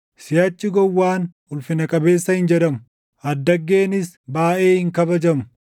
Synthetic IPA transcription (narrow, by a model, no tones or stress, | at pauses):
sɪjat͡ʃʼːɪɡɔwːaːn | ʊlfɪnɐkʼɐbe̞ːsːɐhɪnd͡ʒɛᶑɐmʊ | ʔɐd̪ːɐɡːeːnɪs | baːʔe̞ːhɪŋkɐbɐd͡ʒɐmʊ̥